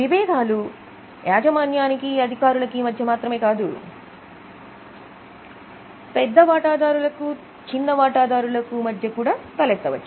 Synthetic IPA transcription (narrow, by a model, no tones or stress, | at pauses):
ʋiʋɛːd̪ʱaːlu | jaːd͡ʒɐmaːnjaːnikiɐd̪ʱikaːɾulɐkimɐd̪ʱjɐmaːt̪ɾɐme̞ːkaːd̪u | pɛd̪ːɐʋaːʈaːd̪aːɾulɐku | t͡ʃind̪ɐʋaːʈaːd̪aːɾulɐkumɐd̪ʱjɐkuːɽaːk̪ɐlɛt̪ːɐʋɐt͡ʃːu